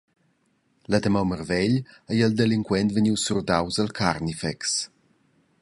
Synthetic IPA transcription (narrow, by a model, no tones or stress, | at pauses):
lad̪əmawmərvɛʎəjəld̪eliŋkwɛnt̪vəɲiwsurd̪awzəlkʰaɾnifɛks